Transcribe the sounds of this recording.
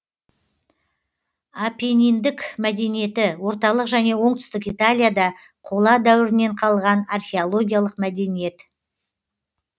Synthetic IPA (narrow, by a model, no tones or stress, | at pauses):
apenijnd̪ɪkmæd̪e̞nije̞t̪ɪwo̞ɾt̪ɑlˠəqʒæne̞wo̞ɴt̪ʏ̥st̪ɪkijt̪alʲijad̪ɑqʰolˠɑd̪æwɪɾɪne̞ɴqʰɑlˠʁɑnarχʲeolˠo̞ɡʲijalˠəqmæd̪e̞nije̞t̪